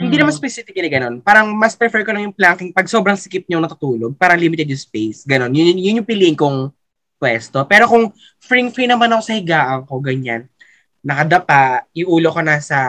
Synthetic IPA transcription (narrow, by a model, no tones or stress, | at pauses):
hɪnd̪iːnɐmanspɛsɪfɪk̚ːɐnɐɡɐno̞npaːɾɐŋmɐspɾɛfɛɹkolɐŋjʊŋplaŋkɪŋpɐɡ̚so̞bɾɐŋsɪkɪp̚ɲoŋnɐt̪ut̪uːloɡ̚paːɾɐŋliːmɪt̪ɛd̪jʊŋspejsɡɐno̞njʊjʊnjʊŋpɪliːʔɪŋkoŋ | pwɛst̪opɛːɾo̞kʊŋ | fɹiŋfɹinɐmanɐko̞sɐhɪɡaːʔɐŋko̞ɡɐɲa̰nː | ɐkɐd̪ɐpaɪŋʔuːlokonaːsɐ